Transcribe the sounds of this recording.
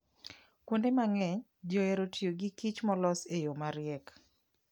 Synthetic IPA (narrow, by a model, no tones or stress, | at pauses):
kwondemaŋɛɲ | d͡ʒɔeɾotjoɡikit͡ʃmɔlɔsejomaɾɪɛk